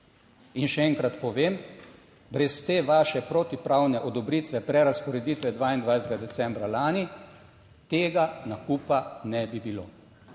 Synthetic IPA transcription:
inʃɛɛŋkɾat̪pɔʋeːm | bɾɛst̪eːʋaːʃɛpɾot̪ipɾawnɛʔɔd̪ɔbɾit̪ʋɛpɾɛɾaspɔɾɛd̪iːt̪ʋɛd̪ʋaːind̪ʋajset̪ɡad̪ɛsɛmbɾalaːni | t̪eːɡanakupanɛbibilo̰ː

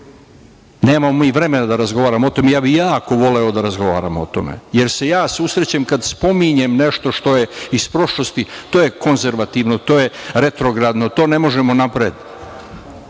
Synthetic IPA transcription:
neːmamomiːʋɾe̞me̞nad̪aɾazɡo̞ʋaːɾamoo̞t̪omejaːbijaːko̞ʋo̞leo̞d̪aɾazɡo̞ʋa̰ːɾamo̞̰t̪o̞̰mḛje̞ɾse̞jaːsusɾet͡ɕamkad̪spo̞miɲe̞mne̞ʃt̪o̞ʃt̪o̞jeispɾo̞ʃlo̞st̪it̪oːjeko̞nzeɾʋat̪iʋnot̪o̞ːjeɾe̞t̪ɾo̞ɡɾad̪not̪o̞ːne̞mo̞ʒemo̞napɾed̪

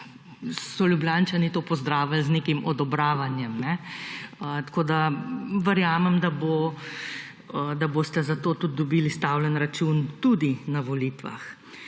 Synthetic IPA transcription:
sɔlʲjubljant͡ʃanit̪oːpɔzd̪ɾaːʋalzneːkimʔɔd̪ɔbɾaːʋanjɛmnɛ | ət̪ḁkoːd̪aʋəɾjaːmɛmd̪abo | d̪aboːst̪ɛzat̪oːt̪ud̪̚d̪ɔbiːlist̪aːwlɛnɾat͡ʃunt̪ud̪inaʋɔlit̪ʋa̰x

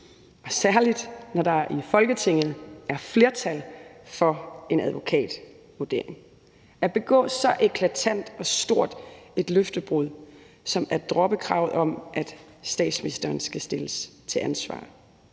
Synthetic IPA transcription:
ɒ̽sæɐlid̥nɒdɑ̈ifɒ̽lɡ̥ət͡sʰe̝ŋ̰ð̩ˠʔæɐfle̝ɐt͡sʰælfɒ̽e̝næðˠʋo̝kʰɛ̰ːd̥ | ʋud̥e̝ɐ̰e̝ŋ | æb̥e̝ɡ̥ɔ̰̽ːsɒ̽ʔe̝kʰlæt͡sʰæn̰d̥ɒ̽sd̥o̝ɐ̰d̥e̝d̥løfd̥əb̥ʁuð̰ˠ | sɒ̽mæɐd̥ʁɒ̽b̥əkʰʁɑ̰̈ʊðˠɒ̽mʔæd̥ | sd̥ɛ̰ːd̥sminisd̥ɐːnsɡ̥æsd̥e̝ləst͡sʰe̝ʔænsʋɑ̰̈ː

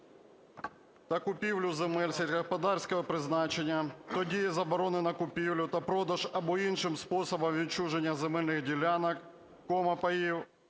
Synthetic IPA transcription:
t̪ɐkʊpʲiwlʲʊzemɛlʲsʲɛtʲkɐspɐd̪ɑrsʲkɔɦɔpɾɪznɑt͡ʃenʲːɐt̪ɔdʲijɛzɐbɔɾɔnɪnɐkʊpʲiwlʲʊt̪ɐpɾɔd̪ɐʒɐbɔinʃɪmspɔsɔbɔmʋʲit͡ʃuʒenʲːɐzemɛlʲnɪxdʲilʲanɐk | kɔmɐpɐjiw

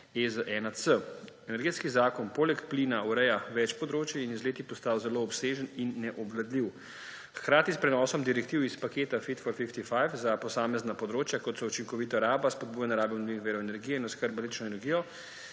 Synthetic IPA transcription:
ezəʔɛnasəɛnɛɾɡeːt̪skizaːkɔnpoːlɛkplinauɾɛjaʋɛt͡ʃpɔd̪ɾoːt͡ʃjiinizleːt̪ipɔst̪aːwzɛloːpseːʒəninːɛʔɔblad̪liw | xkɾaːt̪ispɾɛnɔːsɔmd̪iɾɛkt̪iːwispakeːt̪afit̪fɔɾfift̪ifajfzapɔsaːmɛznapɔd̪ɾoːt͡ʃjakɔt̪sɔut͡ʃiŋkɔʋiːt̪aɾaːbaspɔd̪̚buːjanɛɾaːbɛunliixʋeːɾɔɛnɛɾɡijɛinɔskəɾbalit͡ʃnɔɛnɛɾɡijɔ

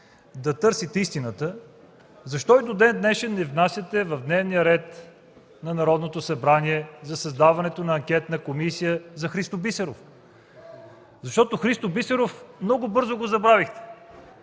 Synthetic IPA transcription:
d̪ɐt̪ɤɾsit̪ɛist̪inət̪ə | zɐʃt̪ɔid̪od̪ɛnd̪nɛʃɛnːɛvnasʲjət̪ɛvɐvd̪nɛvnijəɾɛt̪ | nɐnɐɾɔd̪not̪osɐbɾaniɛzɐsɐzd̪avɐnɛt̪onɐːŋkʲɛt̪nɐkomisijəzɐxɾist̪obisɛɾof | zɐʃt̪ɔt̪oxɾist̪obisɛɾofmnɔɡʊbɤɾzoɡozɐbɾavixt̪ɛ̥

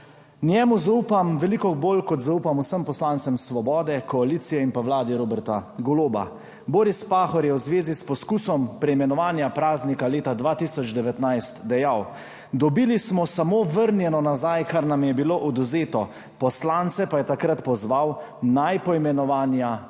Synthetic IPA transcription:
njɛmuzauːpamʋɛlikɔboːlkɔt̪zauːpamusəmpɔslant̪sɛmsʋɔbɔːd̪ɛkɔaliːt̪sijɛimpawlaːd̪iɾoːbɛɾt̪aɡɔloːba̰ | boːɾispaːxɔɾjɛwzʋeːzispɔskuːsɔmpɾɛimɛnɔʋaːnjapɾaːznikaleːt̪ad̪ʋaːt̪iːsɔd͡ʒd̪ɛʋɛt̪najst̪d̪ɛjaw | d̪ɔbiːlismɔsamoʋəɾnjɛnɔnazajkaɾnamjɛbiloːʔɔd̪uzeːt̪ɔ | pɔslant̪sɛpajɛt̪akɾat̪pɔzʋaw | najpɔimɛnɔʋaːnja

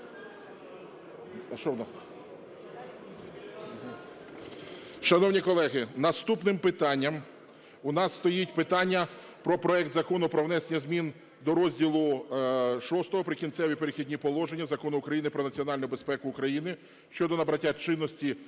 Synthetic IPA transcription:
ʃt͡ʃɔwnɑs | ʃɐnɔwnʲikɔlˠɛɦɪnɐst̪upnɪmpɪt̪ɑnʲːɐm | ʊnɑsːt̪ɔjitʲpɪt̪ɑnʲːɐ | pɾɔpɾɔɛk̚t̪zɐkɔnʊpɾɔwnɛsenʲɐzʲmʲin | d̪ɔɾɔzʲdʲilˠʊ | ʃɔst̪ɔɦɔpɾɪkʲint̪sɛʋʲipeɾɪxʲidʲnʲipɔlˠɔʒenʲːɐzɐkɔnʊːkɾɐjinɪpɾɔnɐt͡sʲiɔnɑlʲnʊbespɛkʊːkɾɐjinɪ | ʃt͡ʃɔd̪ɔnɐbɾɐtʲːat͡ʃɪnːɔsʲtʲi

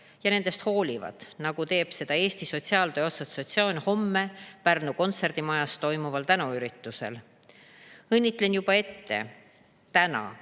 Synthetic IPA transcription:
jɑne̞nd̪e̞st̪ho̞ːlʲivɑ̰d̪̥nɑɡ̥ut̪e̞ːb̥se̞d̪̥ɑe̞ːst̪iso̞t̪siɑːlt̪ø̞ːosɑt̪so̞t̪sioːnʲho̞mːe̞pærnuko̞nt̪se̞rd̪̥imɑjɑst̪o̞jmuvɑlt̪ænuyɾit̪ˑːuse̞̰l | ɤnʲːit̪ˑle̞njub̥ɑe̞t̪ːe̞̰ | t̪ænɑ̰

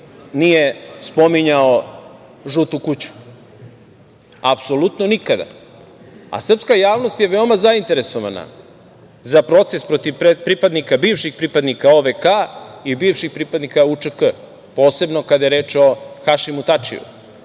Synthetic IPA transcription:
nijespo̞miɲao | ʒut̪ukut͡ɕu̥ | apsolut̪no̞nikad̪a̰ | a̰sr̩pskajaːʋnost̪je̞ʋe̞omazaint̪e̞ɾe̞soʋa̰na̰ | zapɾo̞t̪se̞spɾo̞t̪iʋpepɾipad̪nikabiːvʃixpɾipad̪nikaoʋekaibiːvʃixpɾipad̪nikaut͡ʂəkə | po̞ːse̞bnokad̪ajeɾeːt͡ʃo̞xaʃimut̪at͡ʃḭṵ

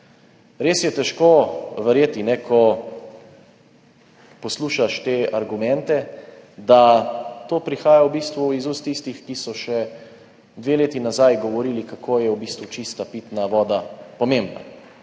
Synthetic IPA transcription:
ɾeːsjɛt̪ɛʃkoːʋɛɾjeːt̪inɛkʰɔ | pɔsluːʃaʃt̪eaɾɡumɛnt̪ɛd̪at̪oːpɾixaːjawbiːst̪ʋuizust̪ist̪ixkisɔʃɛ | d̪ʋeleːt̪inazajɡɔʋɔɾiːlikakʰoːjɛwbiːst̪ʋut͡ʃist̪apit̪naʋɔːd̪apɔmẽmbna̰

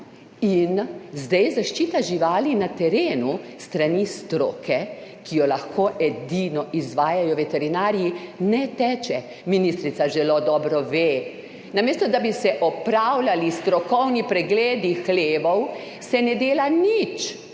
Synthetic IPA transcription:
inzd̪ɛjzaʃt͡ʃiːt̪aʒiʋaːlinat̪ɛɾeːnust̪ɾanist̪ɾo̰ːkɛkijɔlaxkoːʔɛd̪inɔʔizʋaːjajɔʋɛt̪ɛɾinaːɾijinɛt̪ɛːt͡ʃɛ | minist̪ɾit̪saʒɛlod̪ɔːbɾɔʋeː | nameːst̪ɔd̪abisɛʔɔpɾawlalist̪ɾɔkɔwnipɾɛɡleːd̪ixleːʋɔw | sɛnɛd̪eːlanit͡ʃ

